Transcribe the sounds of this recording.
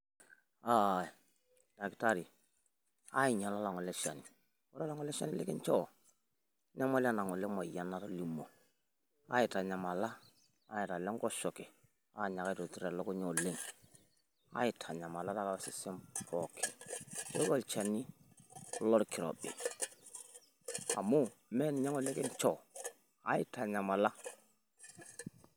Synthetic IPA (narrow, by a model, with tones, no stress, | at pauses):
a˦˨ | d̥a˨kta˦ɾi˨ | a˦i˨ɲa˨la˦la˨ŋɔ˨lɛ˦ʃa˨ni˨ | ɔ˦ɾa˦la˦ŋɔ˦lɛ˦ʃa̰˦ni˦lḛ˦kɛ˦nt͡ʃɔ˦˨ | ɲa˦mɔ˦la˦˨na˨ŋɔ˨lɛ˦mɔ˨ja˨na˦ɾa˦li˨mo˨ | a˦ɪ˨ta˨ɲa˨ma˨la˦ | a˦ɪ˨ta˨lɛ˦ŋɡɔ˦ʃɔ˨kɛ˨ | a˨˦˨ɲa˨ka˦˨to˨tu˨ɾɛ˨lɔ˦kɔ˦ɲo˨le˦˨ŋ | a̰˨˦ɪ˨tʰa˨ɲa˨ma˨la˦ta˦ka˨a˨sɪ˨se˦mpʰɔ˨kʰɛ˨jɔ˦kɔ˦˨lt͡ʃa˨ni˦ | lɔ˦ɾkɪ˨ɾɔ̰˨bɪ̰˨ | a̰˨mʊ˦mɛ˦n˨ɲa˦ŋɔ˨le˦kɛ˦nt͡ʃɔ˨ | a̰˨˦ɪ˦ta˨ɲa˨ma˨la˦